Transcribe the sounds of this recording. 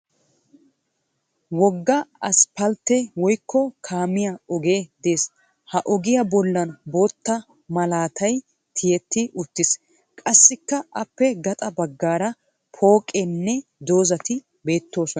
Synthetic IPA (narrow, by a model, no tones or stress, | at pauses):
wɔɡːɐɐspɐlt̪ɛwɔjkʰːɔkʰaːmɪjɐɔɡe̞ːd̪e̞ːs | hɐʔɔɡɪjɐbɔlːɐnbo̞ːt̪ːɐ | mɐlaːt̪ɐj | t̪ʰɪjɛt̪ːɪʔʊt̪ːɪs | kʼɐsːɪkːɐʔɐpːɛɡɐt̪ʼɐbɐɡːaːɾɐ | pʰo̞ːkʼɛnːɛd̪o̞ːzɐt̪ɪ | be̞ːt̪ːo̞ːsɔnɐ